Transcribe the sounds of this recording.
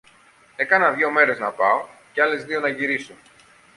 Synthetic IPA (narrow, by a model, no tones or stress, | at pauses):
e̞kɐnɐðʝo̞me̞ɾe̞znɐpɐoceɐle̞zðio̞nɐʝiɾisun